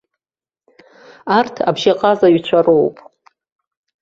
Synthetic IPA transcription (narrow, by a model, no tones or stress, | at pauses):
artʰa̰bʒaqʼazaɥt͡ʃʷʰarowpʼ